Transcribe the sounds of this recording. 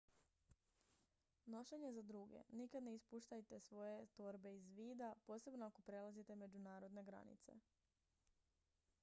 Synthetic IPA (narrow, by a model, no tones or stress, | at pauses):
no̞ʃe̞ɲezad̪ɾuɡe̞̰nikad̪ne̞ispuːʃt̪ajt̪e̞sʋo̞je̞t̪o̞ɾbe̞izʋiːd̪apo̞ːse̞bnoako̞pɾe̞lazit̪e̞me̞d͡ʑunaːɾo̞d̪ne̞ɡɾa̰nḭt̪se̞̰